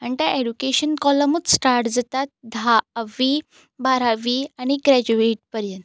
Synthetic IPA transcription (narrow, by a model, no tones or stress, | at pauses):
aɳʈ̪aʔeɽukeɕənkɔləmut͡ssʈaɾʈd͡zat̪at̪̚d̪ʱaʋi | baɾaʋiaɽ̃iɡɾɛd͡ʑueʈ̚pəɾjənt̪